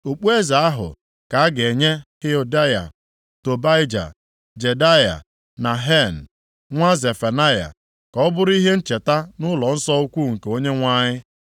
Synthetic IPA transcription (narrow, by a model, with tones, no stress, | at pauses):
o˨k͡pu˦e˦za˨a˦ɦʊ̰˨ | ka˨a˦ɡe˨ɲe˦he˦o˨da˦ja̰˨ | to˨ba˦ɪ˦d͡ʒa̰˨ | d͡ʒe˨da˦ja̰˨ | na˨ɦe˦˨n̩˨ | ŋʷa˦ze˨fa˨na˦ja̰˨ | kɔ˨ɔ˦bʊ˦ɾʊ˦i˦ɦe˦n̩˦t͡ʃe˨ta˦nʊ˦lɔ˨n̩˦sɔ˦u˦kʷu˦˨ŋ̩˨ke˨o˦ɲe˦ŋʷa˦ɲɪ˦